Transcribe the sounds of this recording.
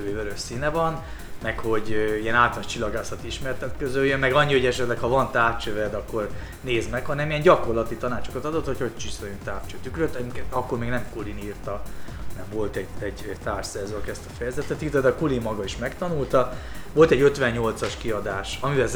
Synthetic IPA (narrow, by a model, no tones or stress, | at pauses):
veːvɛɾøʃsinɛvɒn | mɛkho̞ɟiɛnaːlt̪laʃt͡ʃilːɒɡaːsɒt̪iʃmɛrt̪ɛt̪køzøjønmɛɡɒɲːiho̞ɟɛʃɛt̪lɛkhɒvɒnt̪aːrt͡ʃøvɛd̪ɒkːo̞r | neːzmɛkhɒnɛmiɛɲɟɒko̞rlɒt̪it̪ɒnaːt͡ʃo̞kɒt̪ɒd̪o̞t̪hochot͡ʃisɛɾønt̪aːft͡ʃøt̪ykɾøt̪ːɛkɒkːo̞rmeːɡnɛmkuliniːrt̪ɒnɛɱvo̞lt̪ɛɟɛɟt̪aːrʃsɛzokɛst̪ɒfɛjɛzɛt̪ːɛt̪irt̪ɛd̪ɛɒkulimːɒɡɒiʃmɛkt̪ɒnult̪ɒʋo̞lt̪ɛɟøt̪ʋɛɲɲo̞lt̪sɒʃkiɒd̪aːʃɒmivɛl